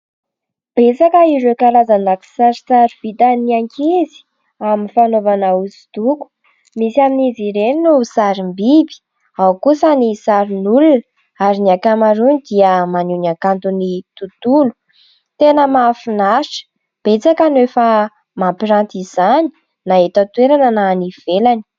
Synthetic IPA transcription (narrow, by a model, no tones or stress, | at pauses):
b̥et͡sakəiɾekaɾazanaku̥saɾit͡saɾiv̥it̪aniaŋkʰizi̥ | aminfanovanauzi̥t̪uku̥ | misaminiziɾeninusaɾimbibi̥ | awkusənisaɾinulun | aɾiniakamaɾunid̪iəmanunakant̪unit̪ut̪ulu̥ | t̪enəmafinaɾiʈ͡ʂə̥ | b̥et͡sakanefa | mampiɾant̪izani̥ | naɦet̪ət̪ueɾanananiv̥elani̥